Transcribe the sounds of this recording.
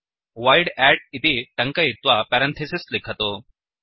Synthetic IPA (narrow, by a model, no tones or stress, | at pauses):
ʋajɽæʈ̚it̪iːʈəŋkəit̪ʋapæɾənt̪ʰesislekʰat̪o